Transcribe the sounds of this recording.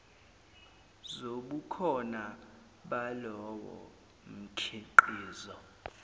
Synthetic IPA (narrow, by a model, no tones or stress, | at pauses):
zoɓukʰɔna | ɓalɔwɔ̰ | m̩kʰiǃiːzɔ